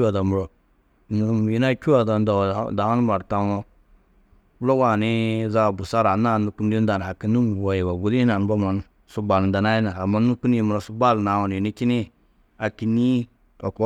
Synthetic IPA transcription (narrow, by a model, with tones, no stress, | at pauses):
a˨da˨mu˨ɾo˨ | n˨˦m˨ji˦na˦kʲu˦wa˨da˨n˦da˨w̰da˨a˦n˦ma˨ɾta˦no˦ | u˦lo˦wa˦˨ni˦za˦˨bu˨sa˦ɾa˨na˦˨nu˨ku˦n˦di˦n˦da˨n˨a˨ki˨˦ni˦m˨wo˨ji˨ba˨ɡu˦li˦na˨n˨˦ba˦ma˨n˦ | su˦ba˨lda˨na˦i˦na˨a˨ma˦nu˦ku˦n˦ji˨mu˨ɾo˨su˦ba˦˨lna˨wa˨n˨i˨ni˦ki˦ni˦ | a˨ki˨ni˦ | a˨ko˦